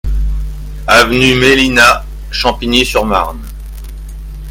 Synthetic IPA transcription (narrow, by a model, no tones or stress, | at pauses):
avnymelina | ʃɑ̃pinjesyʁma̰ʁn